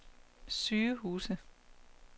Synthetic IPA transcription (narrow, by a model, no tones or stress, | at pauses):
syːɐhuːsə